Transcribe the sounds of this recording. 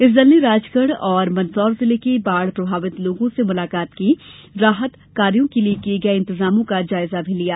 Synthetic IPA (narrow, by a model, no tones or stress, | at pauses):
ɪs̬d̪ɪlneɾaːd͡ʒkəɽɔːɾmɐnsɔːɾzɪlekebaːɽpɾɐbʱaːʋɪt̪loːɡõsemʊlaːkaːt̪kiɾaːɦət̪ | kaːɾijõkeliekieɡɐeɪ̃nt̪ɪzaːmõkad͡ʒaːɪzabʱilijaː